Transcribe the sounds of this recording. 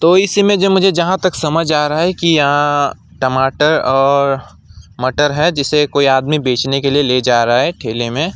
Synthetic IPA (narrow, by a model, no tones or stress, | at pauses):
t̪oːɪsimẽd͡ʒemʊd͡ʒʱed͡ʒɐɦãt̪ɐksɐməd͡ʒaːɾɐɦaɦɛkijɐɦã | ʈɐmaːʈəɾɔːɾ | mɐʈəɾɦɛd͡ʒɪsekoːiaːd̪mibeːt͡ʃnekelieled͡ʒaːɾɐɦaɦɛʈʰeːlemẽ